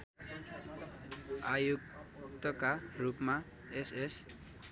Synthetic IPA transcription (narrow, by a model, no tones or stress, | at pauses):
ajukt̪ʌkarupma | eses